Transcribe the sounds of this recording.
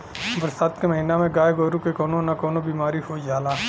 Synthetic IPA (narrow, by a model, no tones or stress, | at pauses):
bɾsaːt̪keməɦinamẽɡaːjɡoːɾukekɔːnonakɔːnobiːmaːɾihoid͡ʒaːlaː